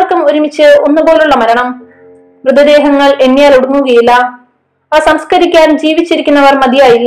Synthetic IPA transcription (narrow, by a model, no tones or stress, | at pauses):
rkːumoɾumit͡ɕːɨo̞nːɨboːluɭːɐmɐɾɐɳɐm | ʋrɨd̪ɐd̪e̞ːɦɐŋːɐɭe̞nːijaːloɽuŋːuɣɐjilːɐ | aːsɐmskɐɾikʲːaːnumd͡ʑiːʋit͡ɕːiɾikʲːunːɐʋɐrmɐd̪ʱijaːjilːɐ